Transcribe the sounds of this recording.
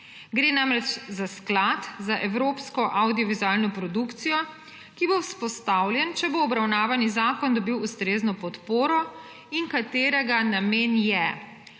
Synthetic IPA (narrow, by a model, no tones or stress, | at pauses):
ɡɾeːnamɾɛt͡ʃzasklat̪zaʔɛwɾoːpskɔʔawd̪ijɔʋizuaːlnɔpɾɔd̪ukt̪sijɔ | kibowspɔst̪awljɛnt͡ʃɛboːbɾawnaːʋanizaːkɔnd̪ɔbiwust̪ɾeːznɔpɔt̪poːɾɔ | iŋkat̪eːɾɛɡanameːnjɛ